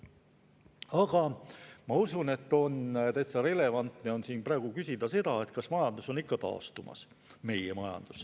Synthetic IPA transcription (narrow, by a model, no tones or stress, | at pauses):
ɑɡ̥ɑmɑusune̞t̪ːo̞nt̪et̪sɑɾe̞le̞vɑnt̪neo̞nsiːnpɾɑːɡ̥ukysʲid̪̥ɑse̞d̪̥ɑe̞t̪kɑsmɑjɑnd̪̥uso̞nikːɑt̪ɑ̰ːst̪umɑ̰s | me̞jemɑjɑ̰nd̪̥us